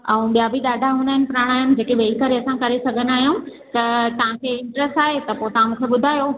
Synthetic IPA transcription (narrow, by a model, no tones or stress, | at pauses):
ɛ̃ũɓijabʱiɗaːɖʱaɦunəɦnɪ̆pɾaːɽ̃aːjun̆d͡ʑeːkeʋeːikəɾeɐsãkɐɾesɐɡʱənaːɦjũ | t̪ɐt̪ɐʋ̤ãkʰeɪ̃ɳʈɾɛsʈaːɦet̪ɐpoːet̪ɐʋãmũːkʰeɓʊd̪ʱaːjo